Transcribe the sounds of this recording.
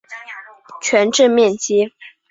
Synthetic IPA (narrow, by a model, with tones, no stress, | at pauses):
t͡ɕʰɥɛ˧˥nʈ͡ʂɻ̩˥˧mjɛ˥˩nt͡ɕi˥